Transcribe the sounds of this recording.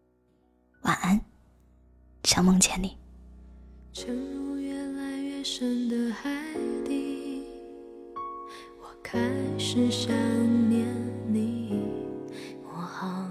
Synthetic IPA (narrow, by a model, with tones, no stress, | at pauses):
wa̰˨˩a˥n | ɕjɑ˥ŋmɤ˥ŋt͡ɕʰjɛ˧˥nli˨˩˦ | ʈ͡ʂʰə˧˥ŋlu˧ɥɛ˧˥nla˧˥ɪɥɛ˥˧ʂə˧˥nd̪ə˧xa˧˥ɪt̪i˧ | wɔ˨˩kʰa˥ɪʂɻ̩˨˧˩ɕa˥ŋnjɛ˧˥nli˧˦ | wɔ˨˩xɑ˨˧˩